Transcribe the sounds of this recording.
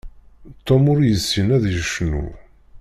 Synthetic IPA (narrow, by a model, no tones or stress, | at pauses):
t̪ˤːomʊɾjəsːinæðjəʃnṵ